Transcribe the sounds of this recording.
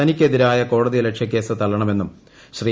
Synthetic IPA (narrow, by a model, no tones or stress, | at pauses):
ɐnikʲːe̞ðiɾaːjɐko̞ːɽɐðijlekʂjɐk̬ʲːe̞ːsɨt̪ɐɭːɐɳɐme̞nːum | ɕriː